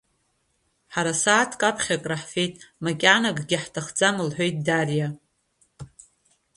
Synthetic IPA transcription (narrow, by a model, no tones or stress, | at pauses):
ħaɾasaːtʰkʼapʰχʲakʼraħfe̞jtʼmakʲʼanaɡʼɡʲɪħtʰaχd͡zamɨlħʷᶣo̞jtʼdarja